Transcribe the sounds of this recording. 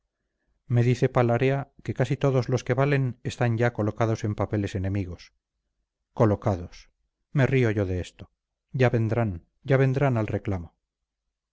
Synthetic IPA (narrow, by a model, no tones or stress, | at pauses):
me̞ðiθe̞palaɾeake̞kasit̪o̞ðo̞zlo̞ske̞βale̞nest̪aɲɟ͡ʝako̞lo̞kaðo̞se̞mpape̞le̞se̞ne̞miɣ̞o̞s | ko̞lo̞kaðo̞s | me̞rio̞ʝo̞ðeest̪o̞̥ | ɟ͡ʝaβe̞nd̪ɾan | ɟ͡ʝaβ̞ẽ̞nd̪ɾanalre̞klamo